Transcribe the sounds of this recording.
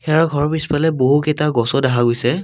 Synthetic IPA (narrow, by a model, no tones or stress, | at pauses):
kɛɹɔɡʱɔɹɔpispalɛboɦuketaɡɔsɔdaɦaɡojsɛ